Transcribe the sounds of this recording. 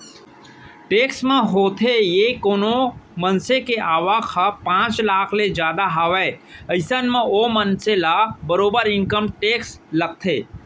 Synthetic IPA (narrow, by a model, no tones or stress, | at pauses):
ʈeːksmẽɦoːt̪ʰejekoːnomənsekeʔaːʋaːkʰapãːt͡ʃlaːkʰled͡ʒjaːd̪aɦaʋeːəɪsənmẽomənselabəɾoːbəɾɪ̃ŋkəmʈeːksləɡ̚t̪ʰeː